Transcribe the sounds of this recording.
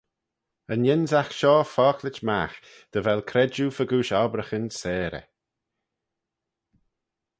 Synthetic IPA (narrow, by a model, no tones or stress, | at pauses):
ənjɛnzaxʃɔːfɔːklɪt͡ʃma̰x | d̪̥əvɛlkʰɾɛd͡ʒufəɡuːʃaːbɾəxənsɛːɾə̰